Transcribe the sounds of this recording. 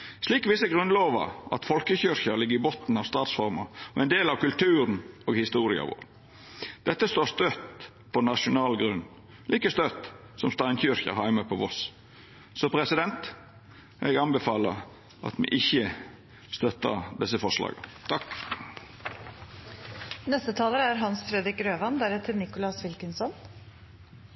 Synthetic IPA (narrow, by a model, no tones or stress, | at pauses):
sliːkʋɪsəɡɾʉnloːʋə̰ʔɑ̰t̪fɔlkəçʏɾçəɾlɪɡːəɾɪbɔt̪n̩ɑʋst̪ɑːt̪sfɔɾmɑɔɛɪnd̪eːlɑʋkʉlt̪ʰʉːɾənoːɡhɪst̪uːɾɪɑ̰ʋo̰ːɾ | d̪̥ɛt̪ːəst̪oːst̪øt̪ | pʰɔnɑʂʊnɑːlɡɾʉnː | lʔiːkəst̪øt̪ | sɔmst̪ɑɪnçʏɾçə̰ɾhæɪməpʰɔʋɔs | sɔpʰɾɛsɪd̪ɛnt̪ | ʔɛɡɑnbɛfɑːləɾ | ʔɑ̰t̪mɛ̰ʔɪçːə | st̪œt̪ːə̰d̪ɛsəfɔʂlɑ̰ːɡət̪ʰɑk | nɛst̪ət̪ʰɑːləɾæɾɦɑnsfɾɛd̪ɾɪkɾøːʋɑnd̪æɾɛt̪ʰɪlnɪkʊlɑsʋɪlkənsɔn